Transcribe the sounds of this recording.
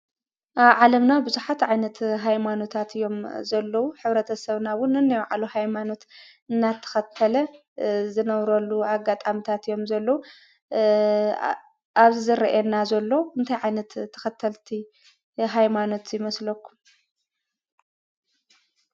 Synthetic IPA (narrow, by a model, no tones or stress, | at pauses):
ʔaβʕalɐmnabɨzuħat̪ʕajnɐt̪ɦajmano̞t̪ʰat̪ʰɨjːo̞mzɐlːɐwuħɨβɾɐt̪ʰɐsɐβnawʊnːɨnːɐjʕalohajmano̞t̪ | ɨnːat̪ʰːɐ̥xɐt̪ʰːɐlɐ | zɨnɐβɾɐlːuaɡat̪ʼamit̪ʰat̪ɨjo̞mzɐlːɐwu | aβzizɨɾɐʔɛnːazɐlːo̞ɨnt̪ʰajʕajnɐt̪ʰːɐ̥xɐt̪ʰːɐlt̪ʰi | ɦajmano̞t̪jɪmɐslɐkːum